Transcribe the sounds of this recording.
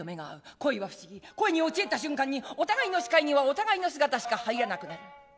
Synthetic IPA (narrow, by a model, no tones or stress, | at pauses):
ome̞ɡa̰ːɯ̟ko̞iβaɸɯ̟̥ɕiɡʲiko̞eɲ̟io̞t͡ɕiet̪aɕɨ̃ŋkãɲ̟ːio̞t̪aɡaino̞ɕi̥kaiɲ̟iβao̞t̪aɡaino̞s̬ɨɡat̪aɕi̥kahaiɾanakɯ̟naɾɯ̟